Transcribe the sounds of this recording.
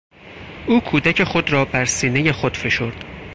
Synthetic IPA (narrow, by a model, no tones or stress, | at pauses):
ʔuːkʰuːd̪æcʰe̞xo̞d̪ɾɒːbæɾsiːneje̞xod̪̥fe̞ʃo̞ɾd̪̥